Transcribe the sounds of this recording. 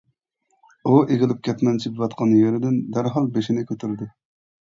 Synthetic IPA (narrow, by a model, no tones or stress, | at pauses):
uʔeʁʲɪlˠɪp̚kʲʰɛt̪nɛnt͡ʃʰipvɑt̪̚qʰɑnjøɾɪd̪ɪnd̪æɾɦɑlˠbeʃinɪkʲʰøt̪ʰyɾd̪ʊ